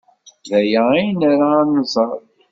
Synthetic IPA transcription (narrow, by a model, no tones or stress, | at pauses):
ðæjæijnaɾaːnːəzˤɑɾˤ